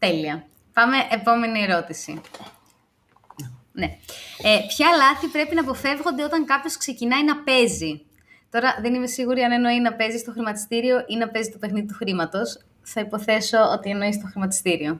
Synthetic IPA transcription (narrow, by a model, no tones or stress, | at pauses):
t̪e̞liɐ | pɐme̞ʔepo̞me̞nie̞ɾo̞t̪isḭ | neepçɐlɐθipɾe̞pinɐːpo̞fe̞vɣo̞nd̪e̞o̞t̪ɐŋkɐpço̞skse̞cinɐinɐpe̞zi | t̪o̞ɾɐðe̞nime̞siɣuɾiɐne̞no̞inɐpe̞zist̪oxɾimɐt̪i̥st̪iɾio̞ʔinɐpe̞zit̪ope̞xniðit̪uxɾimɐt̪o̞s | θɐipo̞θe̞so̞o̞t̪ieno̞ist̪o̞xɾimɐt̪i̥st̪iɾio̞